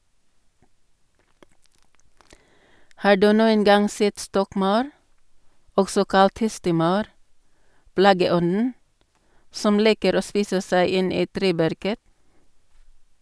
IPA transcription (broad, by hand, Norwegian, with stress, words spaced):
ˈhɑː ˈɖʉː ˈnuːən ˈɡɑŋ ˈsɛt ˈstɔkˌmɑʉɾ ˈɔɡsɔ ˈkɑlt ˈhɛstəˌmɑʉɾ ˈplɑːɡəˌɔnn̩ ˈsɔm ˈliːkəɾ ˈoː ˈspiːsə ˈsæɪ ˈɪn ˈiː ˈtɾeːˌbæɾkə